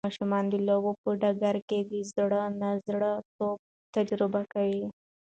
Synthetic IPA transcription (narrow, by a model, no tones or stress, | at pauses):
ɑʃumɑnd̪ilobopəɖaɡaɾkeɡ̪izɽənazɽət̪ob̚ | t̪ad͡ʒɾɪbakawi